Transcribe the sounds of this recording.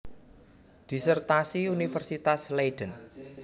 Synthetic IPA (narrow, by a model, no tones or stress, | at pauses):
ɖ̥isərt̪asiunifərsit̪aslejɖ̥ən